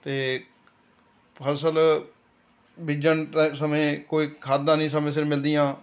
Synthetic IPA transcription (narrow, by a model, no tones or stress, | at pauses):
t̪eː | pʰəɾsəl | bɪd͡ʒənʈəsəmẽːkoːiːkʰaːd̪ːãːnĩːsəmẽːsɪɾmɪld̪ijãː